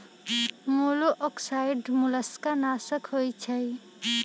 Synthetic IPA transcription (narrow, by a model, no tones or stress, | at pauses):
moloʔɔksajɖmuləskanaːsəkɦojt͡ʃʰəj